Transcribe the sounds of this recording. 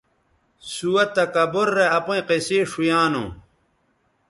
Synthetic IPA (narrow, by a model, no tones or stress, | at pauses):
suɐt̪ːɐkɐboɾːeɐpõĩqeseːʂujaːno̰